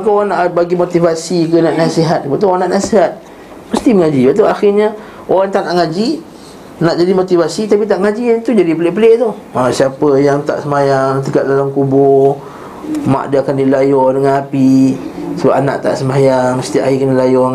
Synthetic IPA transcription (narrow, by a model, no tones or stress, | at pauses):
kaoɣanaʔbaɡimot̪ivasikənaʔnasiɦat̪̚pat̪̬uɣanaʔnasiɦat̪̚ | məst̪iməŋad͡ʒibat̪̬uaxirɲa | oɾaŋt̪anaʔŋad͡ʒi | naʔd͡ʒadimot̪ivasit̪apit̪̬aʔŋad͡ʒint̪ud͡ʒadipəlɪʔpəleʔt̪u | asiapəjaŋt̪a̰ʔsəmajaŋt̪əkaʔ̪̚dalamkubɔ | ma̰ʔdiaakandilajɔdəŋanapisəbap̚ana̰ʔt̪a̰ʔsəmajaŋməsə̥t̪iaʔaikandilajɔ